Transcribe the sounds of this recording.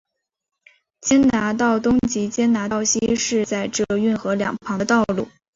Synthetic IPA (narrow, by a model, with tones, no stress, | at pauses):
t͡ɕjɛ˥nna˧˥t̪ɑ˥˩ʊt̪ʊ˥ŋt͡ɕi˧˥t͡ɕjɛ˥nna˧˥ɑ˥˩ʊɕi˥ʂɻ̩˥˧t͡sa˥˧ɪʈ͡ʂɤ˥˩y˥˩nxɤ˧˥ljɑ̰˨˩ŋpʰɑ˧˥ŋ˧t̪ɑ˥˧ʊlu˥˩